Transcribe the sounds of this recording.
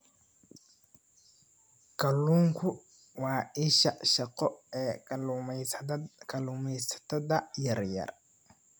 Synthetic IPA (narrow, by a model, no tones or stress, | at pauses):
kʰɐlːuːŋkʰʊ | wɑːɪʃɐʃɐqɔɛː | kʰɐluːmɛjsɐ̥t̪ʰɐðɐjɐrjɐ̰r